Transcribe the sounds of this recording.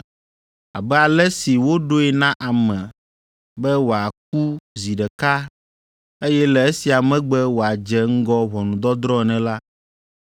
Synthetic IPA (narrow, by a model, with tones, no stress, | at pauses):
a̰˨bɛ˦a˨lɛ˦si˨wo˦ɖo˦ɛ˨nã˦ʔa˨mɛ̃˨ | bɛ˦wo˨a˨k̚u˦zi˨ɖɛ˨ka˦ | e˦jɛ˦lɛ˨e˦si˨a˨mɛ̃˦ɡ͡bɛ˦wo˨a˨d͡ʒɛ˦ŋ̩˦ɡɔ˦βɔ˨nũ˨d̪ɔ˦d̪ɾɔ̃˦˨nɛ̃˨la˦